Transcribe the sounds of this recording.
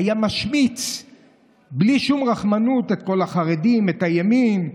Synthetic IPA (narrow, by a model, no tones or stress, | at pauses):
ajamaʃmit͡s | bliʃumʁaχmanute̞t̪̚ko̞laχaʁedimetajemim